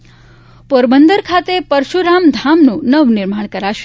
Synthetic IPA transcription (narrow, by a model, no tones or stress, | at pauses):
poɾbənd̪əɾkʰat̪epəɾʃuɾamd̪ʱamnũnəʋnɪɾmaɽ̃kəɾaʃ